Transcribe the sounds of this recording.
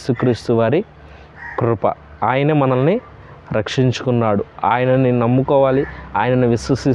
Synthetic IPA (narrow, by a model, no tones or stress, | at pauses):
sukɾiːst̪uʋaːɾi | kɾupɐ̰ | aːjɐnemɐnɐlni | ɾɐkʂiɲt͡ʃu̥kunːaːɽua̰ːjɐnɐninɐmːukɔːʋaːliaːjɐnɐnuʋiswɐsi